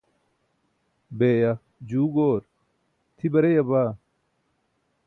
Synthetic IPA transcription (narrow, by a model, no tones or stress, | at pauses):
beːjɐ | d͡ʑuːɡoːɾ | t̪ʰibɐɾejɐbaː